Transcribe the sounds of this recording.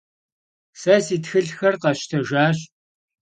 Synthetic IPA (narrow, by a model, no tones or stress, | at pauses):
sɐsiːtxɨɮxɐrqɐɕtʰɐʒaːɕ